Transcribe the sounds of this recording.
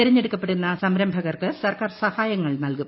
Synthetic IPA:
iɾɐɲːeɽukːɐpːeɽunːɐsɐmɾɐmbʱɐɣɐrkɨsɐrkaːrsɐhaːjɐŋːɐɭnɐlkum

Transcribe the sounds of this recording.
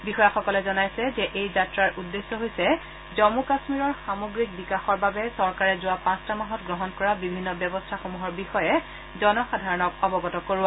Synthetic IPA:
bixɔjaxɔkɔlɛzɔnajsɛzɛʔejzatɹaɹʔudːesːɔɦojsɛ | zɔmukasmiɹɔɹxamoɡɹik̚bikaxɔɹbabɛsɔɹkaɹɛzʊwapãstamaɦɔtɡɹɔɦɔnkɔɹabibʱinːɔbjɔbɔstʰaxomuɦɔɹbixɔjɛ | zɔnɔxadʱaɹɔnɔkɔbɔɡɔtɔkoɹua

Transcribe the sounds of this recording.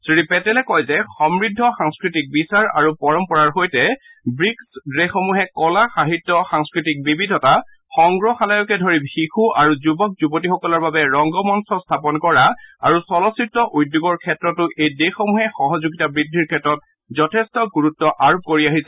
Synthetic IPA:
sɹipɛtɛlɛkɔjzɛxɔmɹidʱːɔxaŋskɹitik̚bisaɹa̰ɹupɔɹɔmpɔɹaɹɦojtɛ | bɹiksɹexɔmuɦɛkɔlaxaɦitːɔxaŋskɹitik̚bibidʱɔta | xɔŋɡɹɔxalajɔkɛdʱoɹibhikʰuʔaɹuzubɔk̚zubotixɔkɔlɔɹbabɛɹɔŋɡɔmɔnsɔstʰapɔnkɔɹaa̰ɹusɔlɔsik̚tɔʔujdjuɡɔɹkʰɛtɹɔtʊʔejdexɔmuɦɛxɔɦɔzuɡitabɹidʱːiɹkʰɛtɹɔt̚ | zɔtʰɛstɔɡuɹutːɔʔaɹb̚koɹiaɦisɛ

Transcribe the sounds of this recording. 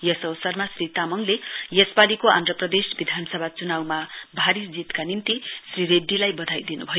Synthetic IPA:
jʌsʌwsʌrmasrit̪amʌŋlejʌsbalikoa̰nd̪rʌprʌd̪esbid̪ʱansʌbʱat͡sunawmabʱaɾisd͡zit̪kanint̪isriɾeɖːilajbʌd̪ʱajd̪inubʱʌjo

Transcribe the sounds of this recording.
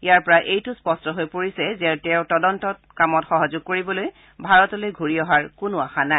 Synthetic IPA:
ijaɹpɔɹaʔejtʊspɔstɔɦojpoɹisɛzɛɹtɛʊtɔdɔntɔt̚kamɔtxɔɦɔzʊɡ̚koɹibɔloj | bʱaɹɔtɔlojɡʱuɹiɔɦaɹkʊnʊaxana

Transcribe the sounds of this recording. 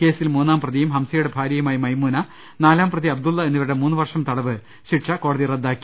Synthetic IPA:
ke̞ːsilmuːnːaːmprɐðijumɦɐmsɐjuɽebʱaːɾjɐjumaːjimɐjmuːnɐ | naːlaːmprɐðiɐb̚d̪ulːɐenːiʋɐɾuɽemuːnːɨʋɐrʂɐmt̪ɐɽɐʋɨ | ɕiʈʂɐko̞ːɽɐðirɐd̪ːaːkʲːi̥

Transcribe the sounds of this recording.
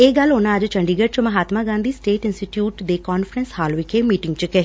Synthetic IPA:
eːɡəlːʊnãːəd͡ʒt͡ʃəɳɖiːɡəʈ̚t͡ʃəməɦaːt̪maːɡãːnd̪iːsʈeːʈɪnsʈiʈjuːʈd̪eːkɔːnfəɾənshaːlʋɪkʰemiːʈɪ̃ŋɡt͡ʃəkɛː

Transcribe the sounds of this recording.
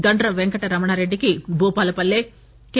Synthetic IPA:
ɡ̪ɐɳʈɾɐʋeŋkɐʈɐɾɐmɐɳaːɾeɖːikibʱuːpaːlɐpɐlːeː | ke

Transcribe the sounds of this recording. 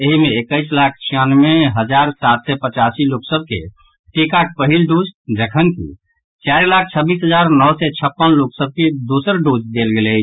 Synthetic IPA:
eɦimeːkəɪslak̚ʰt͡ʃʰijanmeɦəd͡ʒaɾsat̪sɛpət͡ʃasiloksəb̚ʱkḛ | ʈekakpəɦilɖud͡ʒd͡ʒəkʰənkḭ | t͡ʃaɾlak̚ʰt͡ʃʰəbisɦəd͡ʒaɾnɔwsɛt͡ʃʰəpːənloksəb̚ked̪usəɾɖod͡ʒd̪elɡelɛt͡ʃʰ

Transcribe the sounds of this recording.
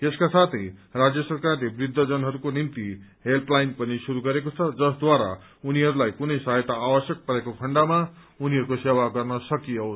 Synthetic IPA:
eskasat̪ʰʌjrad͡zjʌsʌrkarlebrid̪ʱːʌd͡zʌnɦʌɾukonimt̪iɦelplajnpʌnisuɾuɡʌɾekot͡sʰʌd͡zʌsd̪waɾa̰ | uniɦʌɾulajkunʌjsaɦjt̪aːwʌsjʌk̚pʌɾekokʰʌɳɖama | uniɦʌɾukosewaɡʌrnʌsʌkijʌws

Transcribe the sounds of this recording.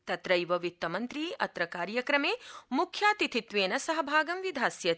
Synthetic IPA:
t̪ɐt̪ɾɐjʋɐʋit̪ːɐmɐnt̪ɾiːɐt̪ɾɐkaːɾjɐkɾɐmeːmukʰjaːt̪it̪ʰit̪ʋeːnɐsɐɦɐbʱaːɡɐmʋid̪ʱaːsjɐ

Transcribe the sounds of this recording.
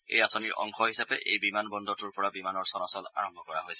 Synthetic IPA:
ḛjasɔniɹʔɔ̰ŋkɔɦisapɛʔʔejbimanbɔndɔtʊɹpɔɹabimanɔɹsɔnasɔla̰ɹɔmbʱɔkɔɹaɦojsɛ

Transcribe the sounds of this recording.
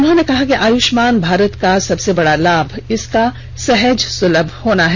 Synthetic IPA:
ʊnɦõnekɐɦakiʔaːjʊʃmaːnbʱaːɾət̪kasɐbsebɐɽalaːbʱɪska | sɛɦəd͡ʒsʊləbʱhoːnaɦɛ

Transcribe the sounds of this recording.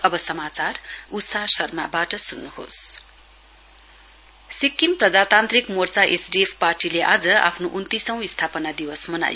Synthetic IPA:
ʌbʌsʌmat͡sarut̪sasʌrmabaʈʌsunːuho̰s | sikːimprʌd͡zat̪ant̪rikmort͡saʔesɖiepʰparʈileʔa̰d͡zʌa̰pʰnoʔunt̪isʌ̃w̃ist̪ʰapʌnad̪iwʌsmʌna̰j

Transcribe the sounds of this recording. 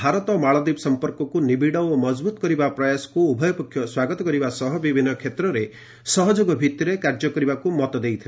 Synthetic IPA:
bʱaɾɔt̪ɔmaɭɔd̪ipsɔmpɔɾkɔkunibiɽɔwomɔd͡ʒbut̪ɔ̥kɔɾibapɾɔjasɔ̥kuubʱɔjɔpɔkʰːjɔswaɡɔt̪ɔkɔɾibasɔɦɔbibʱinːɔkʰet̪ɾɔɾe | sɔɦɔd͡ʒoɡɔbʱit̪jɔɾekaɾd͡ʒɔkɔɾibakumɔt̪ɔd̪ejt̪ʰile

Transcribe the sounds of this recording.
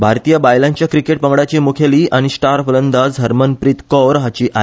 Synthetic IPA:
bʱaɾt̪ijəbajlãɲt͡ɕjakɾikeʈ̚pəŋɡɽat͡ɕemukʰjeliːaɽ̃isʈaɾflənd̪ad͡zd̪ʱəɾmənpɾit̪kɔɾɦat͡ɕiʔa

